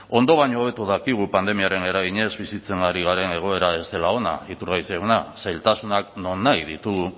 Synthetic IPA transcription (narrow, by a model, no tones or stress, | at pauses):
o̞nd̪o̞βaɲo̞ːβ̞e̞t̪uðakiɣ̞upand̪e̞miaɾe̞ne̞ɾaɣiɲe̞zβisit͡se̞ŋɡaɾiɣ̞aɾe̞ne̞ɣ̞o̞e̞ɾae̞st̪e̞lao̞na̰it̪uɾɣajseunasajlt̪asunakno̞nːajðit̪uɣu